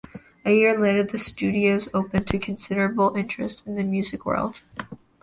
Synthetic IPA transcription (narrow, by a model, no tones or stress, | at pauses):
ɨjɪɹleɾə˞ðɨstʉɾioʊzoʊpɨ̃ntʰɨkʰn̩sɪɾə˞ɨbl̩ˠɪ̃nt͡ʃɹ̥ɨ̰stɨ̃n̩ðɨmjʉzɨkwɜ̰˞lˠd̥